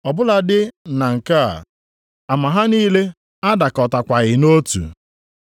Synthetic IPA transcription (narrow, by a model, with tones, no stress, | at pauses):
ɔ˨bʊ˦la˨dɪ˦na˨ŋ̩˨ka˦a̰˨ | a˨ma˨ɦa˦niː˦le˦ | a˦da˨kɔ˨ta˨kʷa˨ɣɪ˨no˦tṵ˨